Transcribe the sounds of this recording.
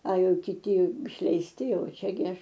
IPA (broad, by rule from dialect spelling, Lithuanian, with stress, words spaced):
ɐ ˈjɛʊ kʲɪˈtʲɪ ɪʃʲlʲɛɪsʲˈtʲɪ ˈjɛʊ ˈt͡ʃʲɛ ɡʲɪ ˈɐʃ